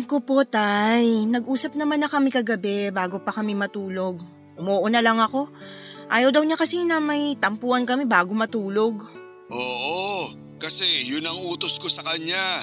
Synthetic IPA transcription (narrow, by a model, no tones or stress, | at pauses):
kopo̞t̪ajnɐɡʔuːsɐp̚nɐmanːɐkɐmɛkɐɡɐbɛbaːɡo̞pɐkɐmɛmɐt̪uːlo̞ɡ̚ | ʔʊmoːʔonɐlɐŋɐko̞ʔaːjɐwd̪ɐwɲakɐsinɐmɐjt̪ɐmpuːʔɐnkɐmɛbaːɡo̞mɐt̪uːlo̞ɡ | ʔoːʔo | kɐsɛjʊnɐŋuːt̪oskosɐkɐɲa